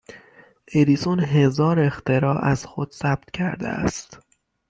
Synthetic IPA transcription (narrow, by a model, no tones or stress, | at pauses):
ʔeɾiːsunɦezɒːɾe̞xt̪ʰe̞ɾɒːʔæz̥xod̪̥sæb̥̚t̪̚ʰcʰæɾd̪ḛæ̰st̪